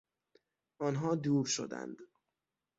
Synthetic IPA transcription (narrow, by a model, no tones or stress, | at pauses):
ʔɒːnɦɒːd̪uːɾʃo̰d̪æ̰nd̪